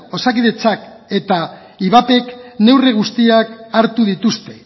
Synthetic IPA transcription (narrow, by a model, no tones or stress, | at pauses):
o̞sakiðe̞t͡sak | e̞t̪a | iβape̞kne̞wreɣ̞ust̪iakaɾt̪uð̞it̪ust̪e̞